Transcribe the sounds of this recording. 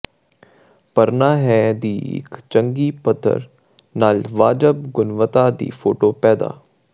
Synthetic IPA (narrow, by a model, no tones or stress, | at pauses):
pəɾnaːɦɛːd̪iːɪ̰kt͡ʃəŋɡiːpət̪ʰːə̰ɾ | naːlʋaːd͡ʒəbɡʊnʋət̪aːd̪ḭːpʰoːʈoːpɛːd̪a̰ː